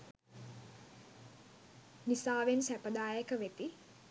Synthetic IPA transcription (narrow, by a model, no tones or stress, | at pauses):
nisaːʋensæpəd̪aːjəkəʋet̪i